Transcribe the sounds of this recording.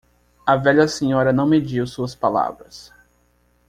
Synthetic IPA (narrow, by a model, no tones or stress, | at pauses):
ɐvɛʎɐsẽɲɔɾɐnɐ̃w̃med͡ʒiwsuɐspala̰vɾɐs